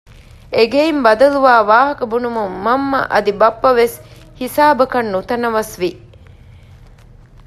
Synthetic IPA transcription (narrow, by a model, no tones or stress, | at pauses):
eɡeimbɐd̪ɐluʋaːʋaːɦɐkɐbunumumːɐmːɐ̰ʔɐ̰d̪ibɐpːɐʋes | hisaːbɐkɐnːut̪ɐnɐʋɐsʋi